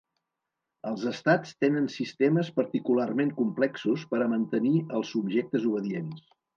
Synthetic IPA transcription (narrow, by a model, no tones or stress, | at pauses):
əlˠzəst̪at͡st̪enənsist̪eməspəɾt̪ikularmeŋkumplɛksuspəɾəmənt̪əniəlˠsubʒek̚t̪əzuβ̞əðiens